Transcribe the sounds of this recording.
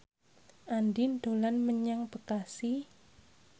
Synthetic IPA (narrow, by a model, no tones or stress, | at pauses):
ʔandind̪̥olanməɲaŋb̥əkasi